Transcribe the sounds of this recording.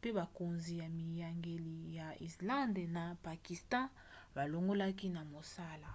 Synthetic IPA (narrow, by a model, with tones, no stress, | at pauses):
pe˦ba˨ko˨nzi˨ja˨mi˨ja˨ŋɡe˨li˨ja˨i˨slã˦nde˨na˨pa˨ki˨stã˦ | ba˨lo˨ŋɡo˦la˦k̬i˦na˨mo˨sa˦la˨